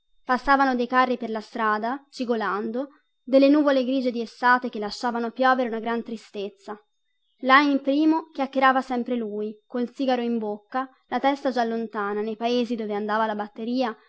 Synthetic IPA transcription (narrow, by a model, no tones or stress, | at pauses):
pasːaːvanod̪ejkarːiperlast̪ɾaːd̪at͡ʃiɡoland̪o | d̪elːenuːvoleɡɾiːd͡ʒed̪iestːaːt̪ek̟elːaʃːaːvanopjɔːveɾeunaɡɾant̪ɾist̪et̪sːa | laimpɾiːmok̟jakːeɾaːvasɛmpɾeluikolt̪siːɡaɾoimbokːa | lat̪ɛst̪ad͡ʒalːont̪aːnanejpaeːzid̪oːveand̪aːvalabat̪ːeɾiːa